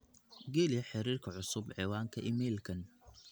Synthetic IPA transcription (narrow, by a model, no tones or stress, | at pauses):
ɡɛlɪjɐħɪɾiːrkʰɐʕʊsʊbʕɛːwaːŋkʰɐʔɪmɛːlkʰɐn